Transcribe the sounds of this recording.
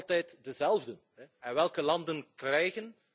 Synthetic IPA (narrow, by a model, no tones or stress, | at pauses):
lˠtɛjtdəzɛlˠvdən | ɛɛnʋɛlˠkəlɑndənkrɛjɣən